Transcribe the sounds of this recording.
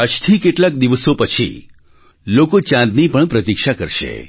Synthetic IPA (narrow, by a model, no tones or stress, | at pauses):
ət͡ʃt̪ʰikeʈlak̚d̪iʋəsopət͡ʃʰḭ | lokot͡ʃãnd̪nipəɳpɾət̪ikʃakəɾʃḛ